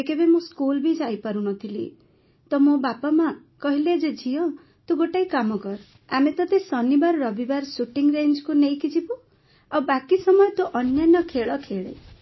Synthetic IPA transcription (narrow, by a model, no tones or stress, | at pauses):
ekebemõskulbid͡ʒajpaɾunɔt̪ʰilḭ | t̪ɔmobapama | kɔɦiled͡ʒed͡ʒʱijɔ̃ | t̪uɡoʈajkamɔkɔɾ | amet̪ɔt̪esɔnibaɾɔɾɔbibaɾsuʈiŋɾend͡ʒkunejkid͡ʒibu | abakisɔmɔjt̪uʔɔnjanɔkʰeɭɔkʰeɭḛ